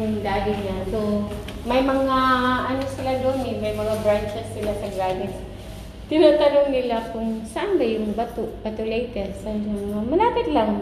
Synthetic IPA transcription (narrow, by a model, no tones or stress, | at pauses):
ʊŋd̪aːɡɪɲaso | mɐjmɐŋaʔɐnosɪlad̪omɪnmɐjmɐŋabɾant͡ʃɛsːɪlasɐɡaːnɪs | t̪ɪnaːt̪ɐnoŋnɪlakʊŋsɐʔanbajʊŋbɐt̪oʔbɐt̪olejt̪ɛɾsɐnɐŋɐŋamɐlaːpɪt̪laŋ